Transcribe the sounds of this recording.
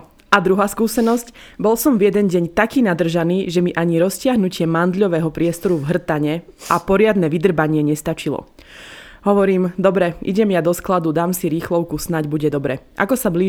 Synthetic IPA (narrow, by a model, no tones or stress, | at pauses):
ad̪ɾuɦaːskuːsɛnɔscbɔlsɔmvjɛd̪ɛnɟɛɲt̪akiːnad̪r̩ʒaniːʒɛmiʔaɲiɾɔscɪaɦnucɪɛmand̪ʎɔʋɛːɦɔpɾɪɛst̪ɔɾuvɦr̩t̪aɲɛ | ʔapɔɾɪad̪nɛʋid̪r̩baɲɪɛɲɛst̪at͡ʃilɔ̰ | ɦɔʋɔɾiːmd̪ɔbɾɛʔḭɟɛmjad̪ɔsklad̪ud̪aːmsiɾiːxlɔʊkusnaɟbuɟɛd̪ɔbɾɛʔa̰kɔsabli